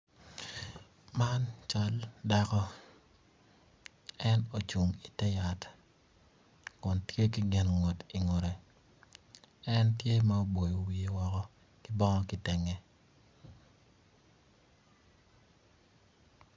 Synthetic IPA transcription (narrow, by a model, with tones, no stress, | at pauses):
ma˦nt͡ʃɔ˦lda˦kɔ˦ | ɛ˦no˨t͡ʃu˨ŋi˨tɛ˦ja˨t | kʊ˨ntje˦kɪ˦ɡɪ˨nŋo˨ti˨ŋo˨ɾe˨ | ɛ˦ntje˦mɛ˦o˦bo˨jo˨wi˨e˨wɔ˨kɔ˦ | kɪ˦bɔ˦ŋɔ˦kɪ˦tɛ˨ŋɛ˨